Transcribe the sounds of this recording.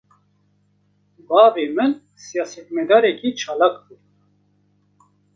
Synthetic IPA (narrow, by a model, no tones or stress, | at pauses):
bɑːveːmɨl | sijaːsɛt̪mɛd̪aːɾɛkit͡ʃʰaːlakd̪ɨɾ